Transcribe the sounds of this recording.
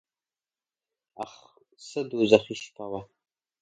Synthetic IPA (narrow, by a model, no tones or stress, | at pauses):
a̰χ | sɨduzɐχʷiːʃpʰawa